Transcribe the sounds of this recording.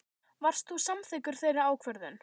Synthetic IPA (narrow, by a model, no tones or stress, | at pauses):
var̥st̪θusamθɪkʏɾ̥θejɾaaːwkʰvœɾðʏn